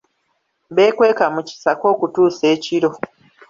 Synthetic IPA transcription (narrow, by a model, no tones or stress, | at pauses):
βe̞ːkwe̞ːkamuci̥sako̞ːkutuːse̞ːciɾo̞